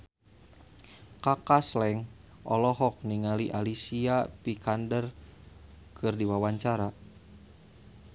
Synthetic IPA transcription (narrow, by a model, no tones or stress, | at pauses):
kakaslɛŋ | ʔɔ̰lɔɦɔk̚niŋaliʔalisiapikandər | kʰɨrdiwawaɲt͡ʃaɾa